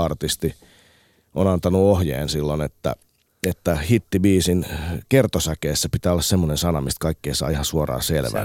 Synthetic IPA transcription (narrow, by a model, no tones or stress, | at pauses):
ɑrt̪ist̪i | onɑnt̪ɑnuohjḛːnsilːonet̪ːæ̰ | et̪ːæhit̪ːibiːsinkert̪osækeːsːæpit̪æːolːɑssemːonensɑnɑmist̪̚kɑikːeːsɑ̰ːihɑsuorɑ̰ːselʋæ̰